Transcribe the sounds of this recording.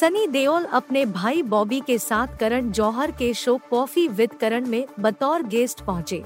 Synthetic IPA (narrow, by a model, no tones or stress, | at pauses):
sɐniːd̪eːoːlɐpnebʱaːibɔːbikesaːt̪ʰkɐɾəɽ̃d͡ʒɔːɦəɾkeʃoːkːɔːfiʋɪd̪ʱkəɾəɽ̃mẽbɐt̪ɔːɾɡeːsʈpɐɦʊ̃t͡ʃḛː